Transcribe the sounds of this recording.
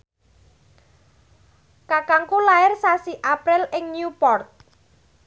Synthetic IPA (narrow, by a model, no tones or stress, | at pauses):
kakaŋkulaɪrsasiʔapɾɪlɪŋnjupɔrt̪̚